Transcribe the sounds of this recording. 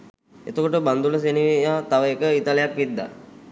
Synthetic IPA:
ḛt̪əkoʈəband̪uləs̬eniʋijat̪aʋəekəit̪alejakʋid̪ːa̰

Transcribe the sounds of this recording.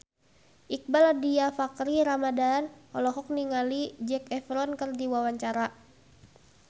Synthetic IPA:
ʔik̚baladiafakɾiɾamadanɔlɔɦɔk̚niŋalid͡ʒɛkɛfɾɔnkərdiwawaɲt͡ʃaɾa

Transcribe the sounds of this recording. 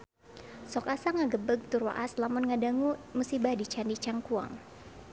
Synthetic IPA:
sɔkasaŋaɡəbəɡ̚t̪urwa̰ʔaslamʊnŋadaŋumusibadit͡ʃandit͡ʃaŋkua̰ŋ

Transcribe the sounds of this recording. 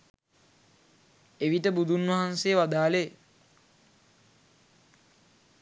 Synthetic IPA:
eʋiʈəbud̪unʋaɦanseːʋad̪aːle

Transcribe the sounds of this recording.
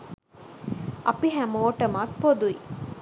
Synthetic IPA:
ʔɐpiɦæmoːʈəmaːt̪̚pod̪ui

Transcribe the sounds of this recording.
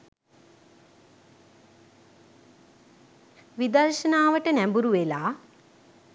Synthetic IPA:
ʋid̪ɐrʃənaːʋəʈənæmbuɾuʋelaː

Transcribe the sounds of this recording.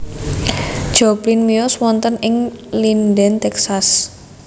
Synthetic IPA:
d̥ʒ̥ɔblinmiɔswɔnt̪ənɪŋlindɛnt̪ɛksas

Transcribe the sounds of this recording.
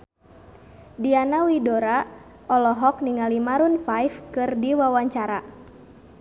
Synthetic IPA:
dianawidoɾa | ʔɔlɔɦɔk̚niŋalimaɾunfajfkɨrdiwawaɲt͡ʃaɾa

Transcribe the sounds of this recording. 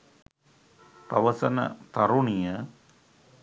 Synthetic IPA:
pɐ̰ʋɐsɐnɐ̰t̪ɐɾuɳijɐ

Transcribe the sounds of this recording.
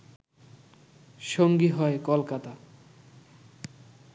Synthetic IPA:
ʃoŋɡiɦɔekolkat̪a

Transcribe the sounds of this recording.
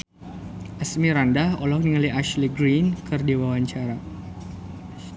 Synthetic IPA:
ʔasmiɾandahɔlɔkniŋaliaʃliɡɾinkʰɨrdiwawaɲt͡ʃaɾa

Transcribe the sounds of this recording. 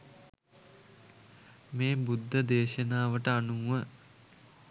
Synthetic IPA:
meːbud̪ʱːəd̪eːʃənaːʋəʈəanuːʋə

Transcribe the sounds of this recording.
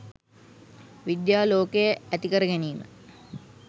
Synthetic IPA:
ʋid̪jaːloːkejəæt̪ikəɾəɡæniːmə̰

